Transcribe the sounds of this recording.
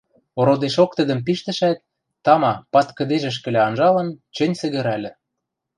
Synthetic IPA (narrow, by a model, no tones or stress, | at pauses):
oɾod̪eʃok̚t̪ə̆d̪ə̆mp̬iʃt̪ə̆ʃæt̪̚ː | ɑmɑpɑt̪kə̆d̪eʒĕʃ̬kɘ̆lʲæɑnʒɑlɤ̆nt͡ɕɘ̆nʲsɘ̆ɣɘ̆ɾælʲɘ̆